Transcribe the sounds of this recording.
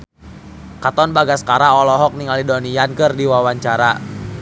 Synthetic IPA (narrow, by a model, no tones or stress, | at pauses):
kat̪ɔnbaɡaskaɾaɔlɔɦɔk̚niŋalidɔnijankɨrdiwawaɲt͡ʃaɾa̰